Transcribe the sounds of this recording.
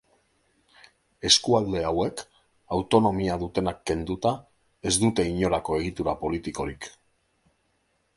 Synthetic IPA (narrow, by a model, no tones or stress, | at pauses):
e̞skuald̪e̞awe̞k | awt̪o̞no̞miaðut̪e̞nakːe̞nd̪ut̪a | e̞zd̪ut̪e̞iɲo̞ɾako̞e̞ɣ̞it̪uɾapo̞lit̪iko̞ɾik